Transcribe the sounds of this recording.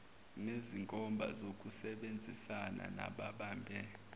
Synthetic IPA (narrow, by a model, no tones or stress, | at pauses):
neziŋkʼɔmbʱa̰zokʼusɛɓend͡zʱisana̰na̰ɓaɓaːmbʱɛ